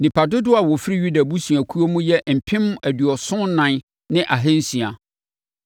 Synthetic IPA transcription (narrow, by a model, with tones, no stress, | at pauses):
nĩ˨pʰa˨dʊ˦dʊ˦a˨wɔ˨fi˦ɾi˦ɥu˦da˨bu˦si˨a˨kʰu˦o˦mũ˦jɛ˦m̩˨pʰɪ̃˦m˦æ˨dɥɔ˨sʊ̃˦nã˨n | nɪ̃˦ʔa˨ɦɛ̃˦n̩˦sĩ˨a˨